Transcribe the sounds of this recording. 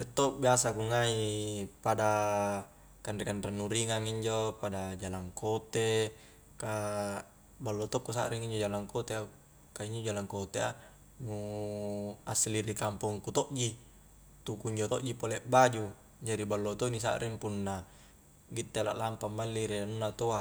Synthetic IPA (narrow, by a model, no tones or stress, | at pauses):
ɛt̪ːobiasakuŋaipada | kandɛkanɾanːuɾiŋaŋiɲd͡ʒopadad͡ʒalaŋkot̪e | ka | balːot̪okːusa̰ʔɾiŋiɲd͡ʒod͡ʒalaŋkot̪ea | kaiɲd͡ʒod͡ʒalaŋkot̪ea | nu | asliɾikampɔŋkut̪oʔd͡ʒi | t̪ukuiɲd͡ʒot̪oʔd͡ʒipoleʔbad͡ʒu | d͡ʒaɾibalːot̪onis̬a̰ʔɾiŋpunːa | ɡit̪ːelaʔlampamːalːiɾianunːat̪oa